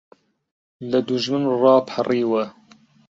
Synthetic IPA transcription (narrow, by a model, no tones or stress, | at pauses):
lɐd̪uʒmɨnrɑːpʰariːwɛ